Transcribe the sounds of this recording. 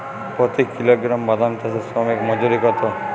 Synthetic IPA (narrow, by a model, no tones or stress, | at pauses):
pɔt̪ikːiloɡɾambad̪ʱamt̪ʰasesɔmekmɔd͡ʒoɾikɔt̪ʰɔ